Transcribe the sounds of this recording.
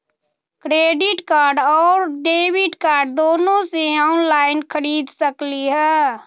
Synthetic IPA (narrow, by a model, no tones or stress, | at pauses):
kɾeːɖɪʈkaːɾɖɔːɾɖeːbiʈkaːɾɖ̚d̪oːnõseaʊnlaːɪnkʰəɾiːd̪səkliɦɛː